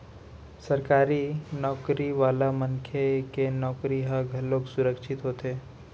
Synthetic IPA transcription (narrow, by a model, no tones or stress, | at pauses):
sɐɾkaːɾinɔːkɾiʋaːlamɐŋkʰekenɔːkɾiɦaɡʱɐlːoːksʊɾəkʃɪt̪ɦoːt̪eː